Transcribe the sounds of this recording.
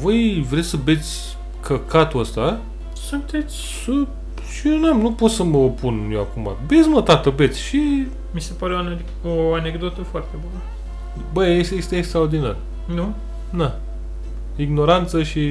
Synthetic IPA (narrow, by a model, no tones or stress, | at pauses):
vojvɾesəbe̞t̪sʲ | kʰəkat̪uəst̪a | sunt̪e̞t̪sʲ | sə | t͡ʃienamnupo̞t̪səməopunjowakuma̰be̞t̪sʲmət̪at̪əbe̞t̪sʲʃi | misepaɾeone | oaneɡd̪o̞t̪əfoart̪ebunə | bəesjest̪eːkst̪ɾaord̪inar | nu | na | iɡno̞ɾant̪səʃi